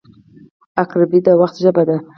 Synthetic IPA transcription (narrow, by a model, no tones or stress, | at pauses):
akɾabid̪awaxt̪ʒəbad̪a